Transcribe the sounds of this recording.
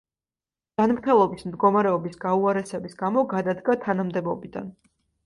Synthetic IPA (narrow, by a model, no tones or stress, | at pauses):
d͡ʒ̥anmɾt̪ʰɛlˠɔbismd̪ɡɔmaɾɛɔbisɡauaɾɛsɛbisɡamɔɡad̪ad̪ɡat̪ʰanamd̪ɛbɔbid̪a̰n